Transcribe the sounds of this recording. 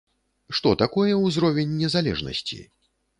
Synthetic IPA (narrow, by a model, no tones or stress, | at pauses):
ʂt̪ɔt̪akɔjɛwzɾɔvʲɛnʲːɛzalʲɛ̰ʐnɐ̰sʲt͡sʲḭ